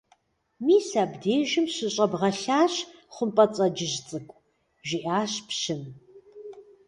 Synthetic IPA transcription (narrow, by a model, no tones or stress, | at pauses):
miːsaːbdeːʒɪmɕɨɕʼɐbʁɐɬaːɕχʷʊmpʼɐt͡sʼɐd͡ʒɪʒt͡sʼɨkʷʼ | ʒiʔaːɕpʰɕɪm